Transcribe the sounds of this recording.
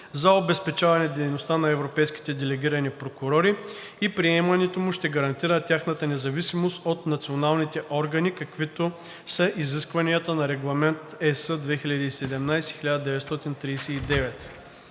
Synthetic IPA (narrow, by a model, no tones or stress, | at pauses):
zɐobɛspɛt͡ʃavɐnɛd̪ɛjnost̪anɐɛvɾopɛjskʲi̥t̪ɛd̪ɛlɛɡ̟ʲiɾɐnipɾokʊɾɔɾi | ipɾiɛmɐnɛt̪omʊʃt̪ɛɡɐɾɐnt̪iɾət̪ʲjaxnɐt̪ənɛzɐvisimost̪ot̪nɐt̪sionalˠnit̪ɛʔɔɾɡɐnikɐkvit̪o | sɐʔiziskvɐniət̪ənɐɾɛɡlˠɐmɛnt̪ɛsəd̪vɛxiʎʲɐd̪iːsɛd̪ɛmnajsɛ̥xilʲad̪əd̪ɛvɛt̪st̪ɔt̪int̪ɾijsɛid̪ɛvɛt̪